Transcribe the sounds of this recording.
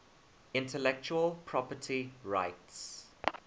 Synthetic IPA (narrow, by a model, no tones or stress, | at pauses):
ɪ̃ntʰəlɛk̚t͡ʃuəlpʰɹ̥ɔpətʰiɹaɪts